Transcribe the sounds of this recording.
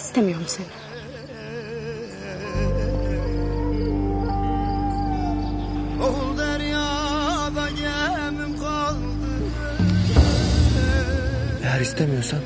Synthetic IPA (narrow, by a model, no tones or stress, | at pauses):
st̪ʰemijo̞ɾumsen | old̪aɾjabaɟɛ | mimkʰa | lˠ | d̪ɯ | ejæɾist̪ʰemijo̞ɾsan